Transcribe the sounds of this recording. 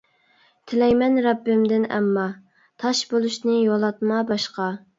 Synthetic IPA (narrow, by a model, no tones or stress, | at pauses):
t̪ʰɪlɛjmɛnɾɑbːɪmd̪ɪnɛ̰mːɑ | t̪ʰɑʃbolˠuʃnɨjolˠɑt̪̚mɑbɑʃqɑ